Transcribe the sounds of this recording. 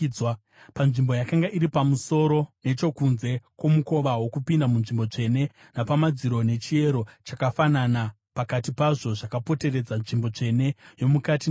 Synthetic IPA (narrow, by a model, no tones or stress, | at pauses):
wa | panʐimbo̞jakaŋɡaʔiɾipamuso̞ɾo̞ne̞t͡ʃo̞kunze̞kwo̞muko̞ʋawo̞kupindamunʐimbo̞t͡ʂe̞ne̞ | napamad͡ziɾo̞ne̞t͡ʃie̞ɾo̞t͡ʃakafanana | pakatipaʐo̞ʐakapo̞te̞re̞d͡zanʐimbo̞t͡ʂe̞ne̞jo̞mukati